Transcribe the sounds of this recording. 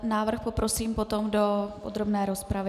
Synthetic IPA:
naːvr̩xpopɾo̞siːmpo̞t̪o̞mdo̞ʔod̪ɾobnɛːɾo̞spɾavɪ

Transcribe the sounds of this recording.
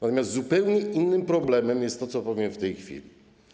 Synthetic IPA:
nat̪ɔmʲjast̪ːzupɛwɲɛʔinːɘmpɾɔblɛmɛmjɛst̪ːɔt̪sɔpɔvʲjɛmft̪ɛjxfʲḭlʲi

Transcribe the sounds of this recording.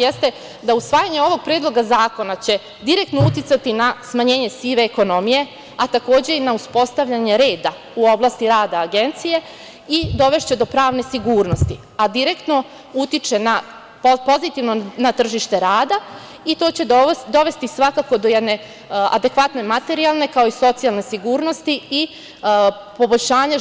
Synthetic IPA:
jest̪e̞ | d̪ausʋaːjaɲeo̞ʋo̞ɡ̚pɾeːd̪lˠo̞ɡazaːko̞nat͡ɕe̞ | d̪iɾe̞kt̪nout̪it̪sat̪inasmaɲe̞ːɲe̞siːʋeːko̞no̞mije̞ | at̪ako̞ːd͡ʑe̞inauspo̞st̪aʋʎaɲe̞ɾe̞ːd̪a | uo̞blˠast̪iɾaːd̪aːɡe̞nt̪sije̞ | id̪o̞ʋe̞ʃt͡ɕe̞d̪o̞pɾaːʋne̞siɡuːɾno̞st̪i | ad̪iɾekt̪no̞ | ut̪it͡ʃe̞na | po̞zit̪iʋnonat̪r̩ʒiʃt̪e̞ɾaːd̪a | it̪o̞ːt͡ɕe̞d̪o̞ʋe̞st̪isʋakako̞d̪ojed̪ne̞ | a̰d̪e̞kʋat̪ne̞mat̪e̞ɾialˠne̞kao̞iso̞t̪sijalˠne̞siɡuːɾno̞st̪ii | po̞bo̞ʎʲʃaːɲa

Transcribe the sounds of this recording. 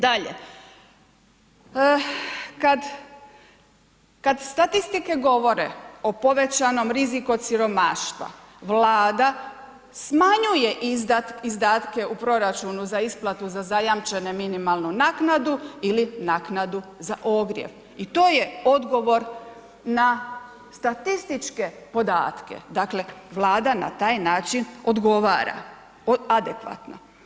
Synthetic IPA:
d̪aʎḛ | kad̪ | kad̪st̪at̪ist̪ikeɡo̞ʋo̞ɾḛo̞po̞ʋe̞t͡ɕano̞mɾiziko̞t̪siɾo̞maːʃt̪ʋa̰ | ʋlaːd̪a | smaɲuje̞ʔiaizd̪aːt̪ke̞upɾo̞ɾat͡ʃunuzaisplˠat̪uzazajamt͡ʃe̞neminimalˠnunaːknad̪uilinaːknad̪uzaʔo̞ɡɾjḛʋ | it̪o̞ːje̞o̞d̪ɡo̞ʋo̞ɾ | na | st̪at̪ist̪it͡ʃke̞po̞d̪a̰ːt̪ke̞̰d̪akle̞ʋlˠaːd̪ana̰t̪aːjnaːt͡ʃino̞d̪ɡo̞ʋaːɾa̰ | ad̪ekʋa̰t̪no̰

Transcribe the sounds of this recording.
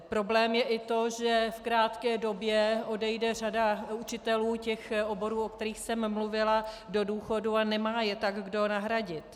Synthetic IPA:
pɾo̞blɛːmjɛʔɪt̪o̞ʒɛfkɾaːt̪kɛːdo̞bjɛodɛjdɛr̝adaut͡ʃɪt̪ɛluːcɛxobo̞ɾuːok̚t̪ɛɾiːxsɛmːluvɪla | do̞duːxo̞duanɛmaːjɛt̪aɡɡdo̞naɦɾaɟɪt̪

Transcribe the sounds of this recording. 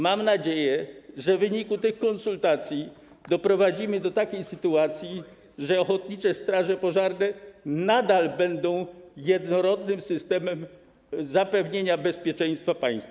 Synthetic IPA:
mamnad͡ʑejɛʐɛvɘɲikut̪ɪxkɔnsult̪at̪sʲji | d̪ɔpɾɔvad͡ʑimɘd̪ɔt̪akʲejsɘt̪uat̪sʲji | ʐɛɔxɔt̪ɲit͡ʂɛst̪ɾaʐɛpɔʐaɾnɛnad̪albɛnd̪ɔ̃w̃jɛd̪nɔɾɔd̪nɘmsɘst̪ɛmɛm | zapɛvɲeɲabɛspʲjɛt͡ʂɛj̃st̪fapaj̃st̪

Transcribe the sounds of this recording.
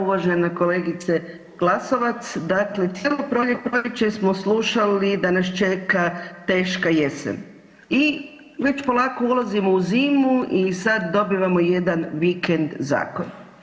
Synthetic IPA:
uʋaʒenakoleːɡit̪se | ɡ̥lˠaso̞ʋat̪sd̪akle̞t̪jelopɾoʎeɡpɾojet͡ʃesmo̞sluʃalid̪anast͡ʃe̞kat̪e̞ːʃkajesḛn | i | ʋe̞t͡ʃpo̞lˠaːkoulˠazimouziːmuʔisad̪d̪o̞biʋamoje̞d̪anʋikend̪za̰ːkon

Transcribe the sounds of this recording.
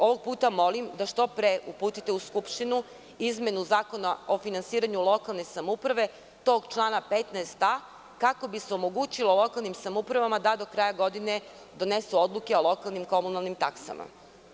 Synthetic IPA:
o̞ʋo̞ɡ̚puːt̪amo̞limd̪aʃt̪o̞pɾeʔupuːt̪it̪euskupʃt̪inu | izmje̞nuzaːko̞nao̞finansiːɾaɲulo̞kalˠne̞samupɾaʋe̞ | t̪o̞ːɡt͡ʃlˠaːnapet̪naest̪a | kako̞biseo̞mo̞ɡut͡ɕilo̞lˠo̞kalnimsamupɾaʋamad̪ad̪o̞kɾaːjaɡo̞d̪ine | d̪o̞nesuo̞d̪lˠuke̞olˠo̞kalˠnimko̞munalˠnimt̪aksa̰ma̰

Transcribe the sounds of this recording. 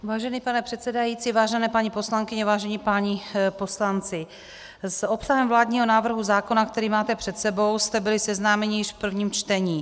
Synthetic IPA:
vaːʒɛniːpanɛpr̥ɛt̪sɛdajiːt͡sivaːʒɛnɛːpaɲipo̞slaŋkɪɲɛvaːʒɛɲipaɲɪpo̞slant͡sɪ | sopsaɦɛmvlaːdɲiːɦo̞naːvr̩ɦuzaːko̞nakt̪ɛɾiːmaːt̪ɛpr̝̥ɛt̪sɛbo̞wst̪ɛbɪlɪsɛznaːmɛɲɪjɪʃfpr̩vɲiːmt͡ʃt̪ɛɲiː

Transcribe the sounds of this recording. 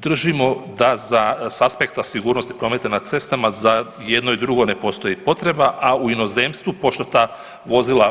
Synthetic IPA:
d̪r̩ʒimo̞d̪azasaspe̞kt̪asiɡuːɾno̞st̪i̥pɾo̞met̪anḁt̪se̞st̪amaza | je̞d̪no̞id̪ɾuɡo̞ne̞po̞ːst̪o̞jipo̞t̪ɾe̞baʔauino̞zeːmst̪ʋupo̞ʃt̪o̞t̪aː | ʋo̞zilˠa

